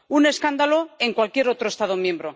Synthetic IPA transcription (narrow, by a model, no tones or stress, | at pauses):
une̞skand̪aloe̞ŋkwalkje̞ɾo̞t̪ɾoest̪aðo̞mjẽ̞mbɾo̞